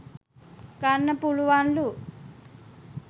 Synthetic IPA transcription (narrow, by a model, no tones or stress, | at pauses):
kanːɐpuluʋanlu